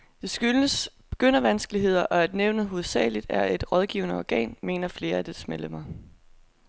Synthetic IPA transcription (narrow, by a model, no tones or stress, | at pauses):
d̥e̝sɡ̥yləsb̥e̝ɡ̥øn̰ɐʋænsɡ̥əliɦe̝ð̞̰ˠɐʔɒ̽æd̥neʊnəɦo̝ð̩ˠsɛ̰ːɪlid̥æɐe̝d̥ʁɒ̽ð̞ˠɡ̥ḭʊnəɒɡ̥ɛ̰ːnme̝̰ːnɐfle̝ːɐæd̥e̝smeləmɐ